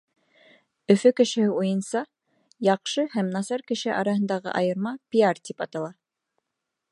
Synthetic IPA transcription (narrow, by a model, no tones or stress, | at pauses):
ɵ̆fɵkɘ̆ʃɘ̆hɘujɤ̆nsɑ | jɑqʃɤhæmnɑsɑɾkɘ̆ʃɘʔɑ̰ɾɑhɤ̆nd̪ɑʁɤ̰ʔɑjɤ̆ɾmɑpʲiart̪ʲipɑt̪ɑlˠɑ